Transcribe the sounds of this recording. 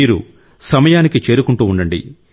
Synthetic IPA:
iːɾṵ | sɐmɐjaːnikit͡ʃe̞ːɾukuɳʈuːuɳɖɐɳɖḭ

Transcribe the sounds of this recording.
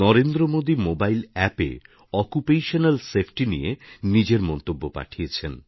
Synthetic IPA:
nɔɾend̪ɾomod̪imobailɛpḛ | ɔkupejʃonalsepʰʈinḭjenid͡ʑeɾmɔnt̪obːopa̰ʈʰijet͡ɕʰen

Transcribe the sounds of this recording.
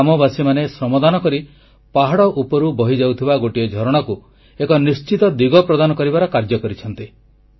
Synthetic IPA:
mɔbasimanesɾɔmɔd̪anɔkɔɾi | paɦaɽɔʔupɔɾubɔɦid͡ʒawt̪ʰibaɡoʈijɔd͡ʒʱɔɾɔɽ̃ɔku | ekɔnist͡ʃit̪ɔd̪iɡɔpɾɔd̪anɔkɔɾibaɾɔkaɾd͡ʒɔkɔɾit͡ʃʰɔnt̪i

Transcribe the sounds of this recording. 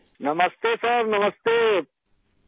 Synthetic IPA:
nɐmɐst̪eːsɐɾnɐmɐst̪e

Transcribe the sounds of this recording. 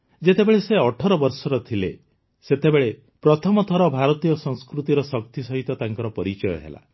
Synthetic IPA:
d͡ʒet̪ebeɭeseɔʈʰɔɾɔbɔɾsɔɾɔt̪ʰilḛ | set̪ebeɭe | pɾɔt̪ʰɔmɔt̪ʰɔɾɔbʱaɾɔt̪ijɔsɔŋskɾut̪iɾɔsɔkt̪isɔɦit̪ɔt̪aŋkɔɾɔpɔɾit͡ʃɔjɔ̰ɦḛla̰

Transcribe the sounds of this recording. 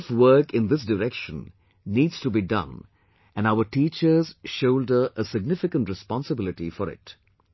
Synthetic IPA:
fwəːkɪ̃nd̪ɪs̬dəɾɛkʃə̃nː | iːdz̥tubidʌ̰̃n | ʔæ̃naʊəʈiːt͡ʃə˞z̥ʃoʊldəʔəsɪɡ̚nɪfɪkə̃nʈɾɪspɔ̃nsəbɪlɪʈifɔɾɪ̰t

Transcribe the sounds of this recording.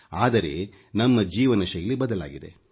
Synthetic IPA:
aːd̪ɐɾe̞̰ | nɐmːɐd͡ʒiːʋɐnɐʂɐjɐlːibɐd̪ɐla̰ːɡid̪e

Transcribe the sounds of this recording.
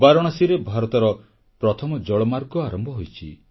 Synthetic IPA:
baɾɔɽ̃asiɾebʱaɾɔt̪ɔɾɔ | pɾɔt̪ʰɔmɔd͡ʒɔɭɔmaɾɡɔaɾɔmbʱɔɦojt͡ʃʰḭ

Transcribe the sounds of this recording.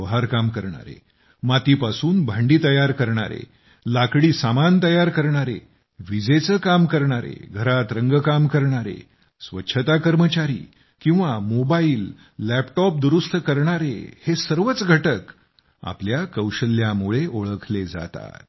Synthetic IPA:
ɦaɾkamkəɾɳa̰ɾḛ | mat̪iːpasuːnbʱãɳɖiːt̪əjaɾkəɾɳa̰ɾḛ | lakɽiːsamant̪əjaɾkəɾɳaɾḛ | ʋid͡zet͡səːkamkəɾɳaɾḛɡʱəɾat̪ɾəŋɡəkamkəɾɳaɾḛ | sʋətːɕʰət̪akəɾmət͡ɕaɾḭː | kĩw̃ʋamobaiːlː | æpʈɔp̚d̪uɾust̪kəɾɳaɾḛhesəɾʋət͡sɡʱəʈək | a̰pljakəwɕəlːjamuɭeʔoɭəkʰled͡za̰t̪a̰t̪

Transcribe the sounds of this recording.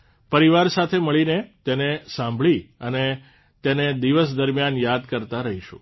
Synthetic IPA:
pəɾiʋaɾsat̪ʰeməɭinet̪enesãmbʱɭiəne | t̪ened̪iʋəsd̪əɾmjanjad̪kəɾt̪aɾəɦiʃṵ̃

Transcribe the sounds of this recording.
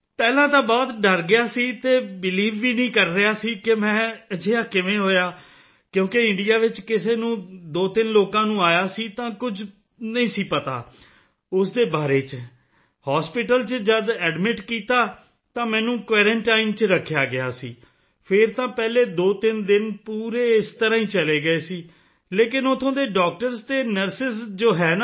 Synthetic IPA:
pɛːlãːt̪ãːbɔːt̪ɖəɾɡɪjaːsiːt̪eːbɪliːʋːiːnəĩːkəɾːɪjaːsiːkɪmɛ̃ːəd͡ʒeːaːkɪʋẽːɦoːjaː | kjõːkeɪ̃ɳɖijaːʋɪt͡ʃkɪseːnũːd̪oːt̪ɪnloːkãːnũːaːjaːsiːt̪ãːkʊd͡ʒ | nəĩːsiːpət̪a̰ː | ʊsd̪eːbaːɾeːt͡ʃ | haːspɪʈəlt͡ʃd͡ʒəd̪ɛːɖmɪʈkiːt̪aː | t̪ãːmɛ̃ːnũːkʋɛːɾə̃ɳʈaːɪnt͡ʃɾəkʰːjaːɡɪa̰ːsiː | pʰɪɾt̪ãːpɛːleːd̪oːt̪ɪnd̪ɪnpuːɾeːɪst̪əɾãːĩːt͡ʃəleːɡəeːsiː | leːkɪnot̪ʰõːd̪eːɖɔːk̚ʈəɾst̪eːnəɾsɪsd͡ʒoːɦɛːn

